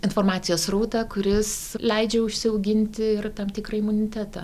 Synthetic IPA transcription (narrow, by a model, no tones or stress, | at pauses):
ɪnfoːrmɑːt̪sʲɪjoːsruːt̪ɑkʊɾʲɪslʲɛɪd͡ʒʲɛʊʃʲsʲɪoʊɡʲɪnʲt̪ʲɪɪrt̪ɐmt̪ʲɪkrɐɪmʊnʲɪt̪ʲæːt̪ɑ̰ː